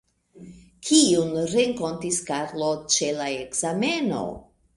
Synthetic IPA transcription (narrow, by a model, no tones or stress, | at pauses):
kʰiunɾeŋko̞ntiskaɾlo̞t͡ʃe̞laekz̥ame̞no̞̰